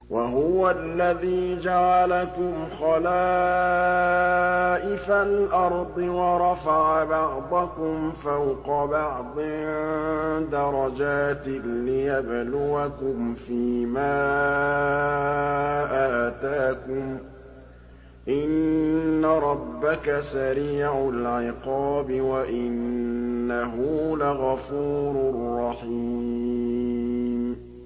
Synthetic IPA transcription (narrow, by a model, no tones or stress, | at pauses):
waɦʊwalːaðiːd͡ʒaʕalakʊmxɑlaː | ʔɪfalʔɑɾˤd̪ˤɨwɑɾˤɑfaʕabɑʕd̪ˤɑkʊmfawqɑbɑʕd̪ˤɪ | d̪ɑɾˤɑd͡ʒaːt̪ɪlɪjablʊwakʊmfiːmaː | ʔaʔt̪aːkʊm | ʔɪnːaɾˤɑbːakasaɾiːʕʊlʕɪqɑːbɪwaʔɪnː | aɦʊlaɣafuːɾʊrˤːɑħiː | m